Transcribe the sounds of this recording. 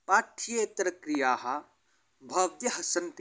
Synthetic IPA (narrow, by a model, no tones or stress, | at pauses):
paːʈʰijeːt̪ɾɐkɾijaːɦɐ | bʱɐʋt̪jɐɦɐsɐnt̪e